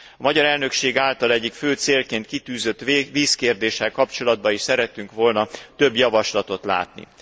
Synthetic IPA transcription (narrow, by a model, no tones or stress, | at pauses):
ɒmɒɟɒɾɛlnø̞kʃeːɡaːlt̪ɒlɛɟːikføːt̪seːlkeːnt̪kit̪yːzø̞t̪ːʋiːskeːrd̪eːʃɛlkɒpt͡ʃo̞lɒd̪̚bɒiʃsɛɾɛt̪ːyŋkʋo̞lnɒt̪ø̞bjɒvɒʃlɒt̪o̞t̪la̰ːt̪nḭ